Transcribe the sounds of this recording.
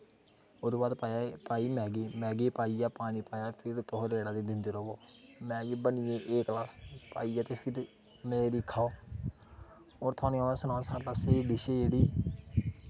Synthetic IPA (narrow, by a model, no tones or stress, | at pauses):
ʊɾʋaːd̪apaːiːmɛ̃ːɡeːmɛ̃ːɡeːpaːiːaːpaːniːpaːjaːpʰɪɾt̪oɦɾeːɽaːd̪iːd̪ɪnd̪eːɾoːʋoːmɛ̃ːɡeːbəniːẽːʔeːklaːspa̰ːiːat̪eːpʰɪɾ | meːɾiːkʰaːoː | oːɾt̪ʰaːnẽːoːãːsənãːsaːɾlaseːibɪʃeːd͡ʒeːɽiː